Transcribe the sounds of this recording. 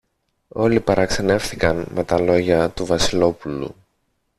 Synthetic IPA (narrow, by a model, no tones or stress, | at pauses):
o̞lipɐɾɐkse̞ne̞fθikɐnme̞t̪ɐlo̞ʝɐt̪uvɐsilo̞pulṵ